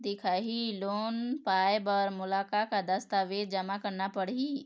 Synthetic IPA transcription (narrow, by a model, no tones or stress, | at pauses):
d̪ɪkʰaːɦiloːnpaːjbɔːɾmʊlaːkakad̪ɐst̪aʋeːd̪̚d͡ʒɐmakəɾnapɐɽii